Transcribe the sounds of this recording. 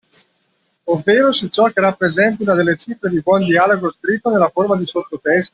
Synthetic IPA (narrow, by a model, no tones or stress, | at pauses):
ovːeːɾosit͡ʃɔkːerapːɾezɛnt̪̬aunad̪elːet͡ʃifɾed̪ibwɔnd̪ialoɡoskɾit̪ːonelːaformad̪isot̪ːot̪ɛst̪o